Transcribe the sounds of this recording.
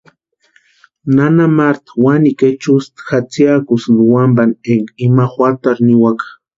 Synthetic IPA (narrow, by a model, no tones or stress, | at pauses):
nanamaɾt̪waniket͡ʃust̪xat͡sjakusnuwambaneŋɡimaxwaɾt̪aɾniwakḁ